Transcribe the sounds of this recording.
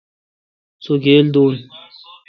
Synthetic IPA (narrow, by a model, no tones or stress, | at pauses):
soɡeːld̪oːn